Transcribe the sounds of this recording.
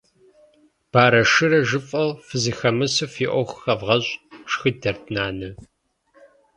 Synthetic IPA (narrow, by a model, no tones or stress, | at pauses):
b̥aːɾɐʂɨɾɐʒɨfʼɐlfɨzixɐmɨsɨfiːʔʷɔxxɐvʁɐɕʼʂxɨdɐrtʰnaːnɨ